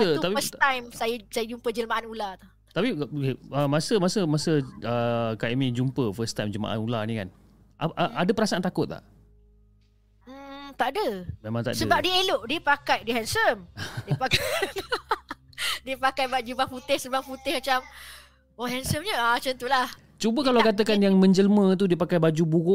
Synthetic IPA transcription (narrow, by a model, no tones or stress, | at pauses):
səuaifəsajmsajəsajəd͡ʒumpəd͡ʒələmaʔanulat̪u | t̪apikeəmasəmasəmasəəkaʔimĩd͡ʒumpəfəst̪ajmd͡ʒəlma̰ʔa̰nulanĩkan | ʔaʔaʔadapəɾasaant̪akʊt̪̚la̰ʔ | t̪aʔdəmemãŋt̪a̰ʔdsəəbap̚dieloʔdiəpakajdiɦɛnsəmdipaka | diəpakajbad͡ʒubaŋput̪ɪhsəbaŋput̪ɪhmat͡ʃam | oɦɛnsəmɲəat͡ʃənt̪ulah | t͡ʃubəkalakat̪̬əkanjaŋmə̃ɲd͡ʒələmə̃t̪̬udiəpakajbad͡ʒubuɣʊʔ